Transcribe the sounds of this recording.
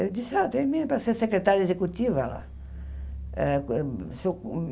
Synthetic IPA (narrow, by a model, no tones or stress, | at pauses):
d̪isat̪eminpasesekɾet̪aɾezekut̪ʲivala̰ | suk